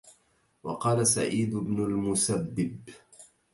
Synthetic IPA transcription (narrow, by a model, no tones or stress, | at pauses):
wɑqɑːlasa̰ʕiːd̪bnʊlmʊsabːɪb